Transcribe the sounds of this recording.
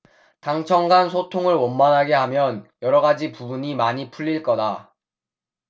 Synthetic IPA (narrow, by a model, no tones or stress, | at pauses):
taŋt͡ɕʰʌŋɡansʰotʰoŋɯɭwʌnmanɦaɡe̞ɦamjʌnjʌɾʌɡad͡ʑipubuɲimaɲipʰuʎːiɭk͈ʌda